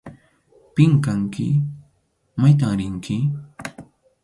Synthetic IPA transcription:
pɪŋkaŋkɪ̰ | majt̪aŋɾɪŋkɪ

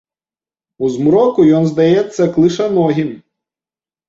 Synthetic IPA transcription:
uzmɾɔkʊjɔnzd̪ɐjɛsʲːɐklˠɪʃɐnɔɦʲin

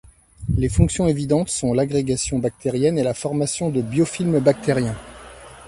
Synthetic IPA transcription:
lefɔ̃ksjɔ̃evid̪ɑ̃t̪sɔ̃laɡʁeɡasjɔ̃bak̚t̪eʁjɛnelafɔʁmasjɔ̃d̪əbjɔfilmbak̚t̪ʰeʁjɛ̃

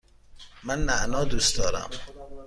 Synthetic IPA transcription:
mænmæʔnɒːd̪uːsd̪ɒːɾæ̰m

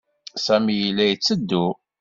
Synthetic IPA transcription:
sæmijilːæjət͡sːəd̪ːu

